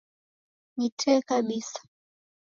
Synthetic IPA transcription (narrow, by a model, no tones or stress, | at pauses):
nitʰɛkaɓisḁ